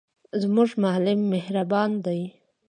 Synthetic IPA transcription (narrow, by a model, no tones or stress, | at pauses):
zmuʐmalɪmːehɾabɑnd̪aj